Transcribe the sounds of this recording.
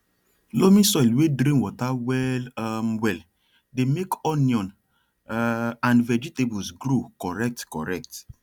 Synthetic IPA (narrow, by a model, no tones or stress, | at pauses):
lomĩsɔilwedɾĩnwɔtawɛlamwɛl | demekɔnjɔ̃n | ãnvɛd͡ʒitebusɡɾokɔɾɛk̚tkɔ̰ɾɛk̚t